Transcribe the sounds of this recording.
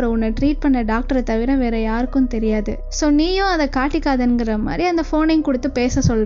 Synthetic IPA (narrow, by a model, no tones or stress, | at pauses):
ɾɐʊnːɐʈɾiːʈ̚pɐɳːɐɖaːk̚ʈɐɾɐt̪ɐʋɪɾɐʋeːɾɐjaːɾɯkːɯmt̪ɛɾɪjaːðɯ̰ | soːniːjʊ̃ɐðɐkaːʈːɪkːaːðɐɛnɡɪɾɐma̰ːd̪ɾiɐnd̪ɐfoːnɪŋkʊɽɯt̪ːɯpeːsɐsɔlːr